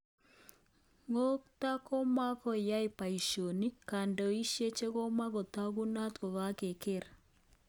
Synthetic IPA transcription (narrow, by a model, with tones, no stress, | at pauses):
ŋo˦k̚ta˦kɔ˦ma˦kɔ˦˨ja˦i˨pa˨i˨ʃo˨ni˦ka˨ndɔ˨i˦ʃje˦t͡ʃe˦kɔ˦ma˦ɣɔ˨t̪a˦ɣu˦na˦t̪kɔ˨ɣa˦ke˨ke˦ɾa˨